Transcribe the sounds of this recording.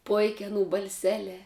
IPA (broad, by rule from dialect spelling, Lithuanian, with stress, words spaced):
ˈpoːɪkʲ ɐˈnuː bɐlʲˈsʲæːlʲɛː